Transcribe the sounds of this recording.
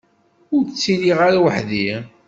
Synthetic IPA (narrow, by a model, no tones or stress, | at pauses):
ʊɾt͡sːiliʁaɾawəħði